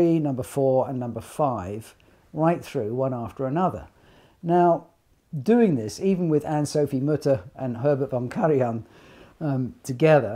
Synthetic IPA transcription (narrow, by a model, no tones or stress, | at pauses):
inʌ̃mbə˞fɔɹə̃nːʌ̃mbə˞faɪv̥ | ɹaɪt̪̚θɹʉwʌ̃næftə˞ɨnʌðə̰˞ | naʊ | dʉɪ̃ŋðɪsiṽn̩wɪðæ̃nsoʊfimʊɾə˞ʔɨ̃nɦɜ˞bətvɑ̃ŋkʰæɹiə̃n | tʰɨɡɛðə˞